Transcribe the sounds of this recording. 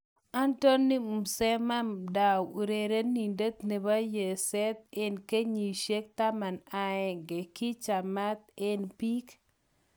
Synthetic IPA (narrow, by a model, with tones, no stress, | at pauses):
a˦nto˦nːi˦u˨msɛ˦ma˦mda˨wu˨ɾe˨ɾe˦ni˨nde˦t̪ne˨ba˦je˨sɛ˦t̪̚e˦nke˦ɲi˨ʃe˦k̚t̪a˦ma˨na˨ɛ˨ŋɡe˨ki˦t͡ʃa˨ma˦t̪̚e˦npi˦k